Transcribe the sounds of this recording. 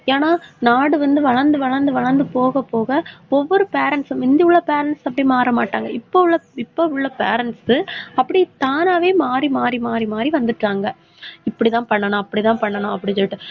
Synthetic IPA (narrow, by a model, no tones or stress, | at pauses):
eːnaːnaːɽɯʋɐnd̪ɯʋɐɭɐɾnd̪ɯʋɐɭɐɾnd̪ɯʋɐɭɐɾnd̪ɯpoːɣɐpoːɣɐɔʋːɔɾɯpeːɾɐnsɐmɪnd̪ɪʊɭːɐpeːɾɐnsɐpːɐɽimaːɾɐmaːʈːaːŋɡɐɪpːoɭːɐɪpːoʊɭːɐpeːɾɐnsɯɐpːɐɽit̪aːnaːʋeːmaːɾimaːɾimaːɾimaːɾiʋɐnd̪ɯʈːaːŋɡɐ | ɪpːɐɽit̪ãːpɐɳːɐnãːɐpːɐɽit̪ãːpɐɳːɐnãːɐpːɐɽɪt͡ʃːɐʈːɯ